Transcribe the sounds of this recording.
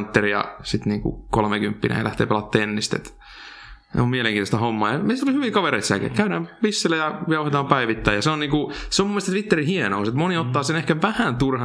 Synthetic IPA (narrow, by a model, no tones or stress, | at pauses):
nt̪ːerijɑ̰sit̪niːŋkṵkolmekympːinḛːjɑ̰læ̰ht̪ḛːpelɑt̪ːeːenːist̪ḛt̪ | nḛomieleŋkiːt̪ost̪æhomːɑːjɑmeisit̪olihyʋikɑʋeɾeit̪siælkæ̰kæyɾæːmʋisːelːæjɑjɑuhet̪ɑːmpæiʋit̪ːæjɑseoniːŋkuseomumːest̪ɑt̪ʋit̪ːerihienouset̪moniot̪ːɑːsenehkæʋæhænt̪urhɑ